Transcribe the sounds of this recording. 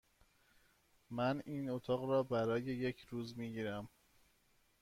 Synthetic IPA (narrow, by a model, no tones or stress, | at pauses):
mæniːnot̪ʰɒːɣɾɒːbæɾɒːje̞je̞cʰɾuːzmiːɟiːɾæm